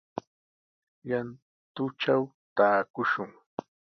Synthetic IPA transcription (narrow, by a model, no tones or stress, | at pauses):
jan | t̪ʊt͡ʃaw | t̪aːkʊʃʊŋ